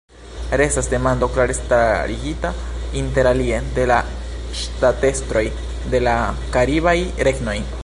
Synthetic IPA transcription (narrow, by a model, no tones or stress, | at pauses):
ɾestasd̪e̞mand̪oklaɾest̪a̰ɾiɡita | int̪e̞ɾaliend̪e̞la | ʃt̪at̪e̞st̪ɾo̞j | d̪e̞la | kaɾiβajɾe̞ɡno̞j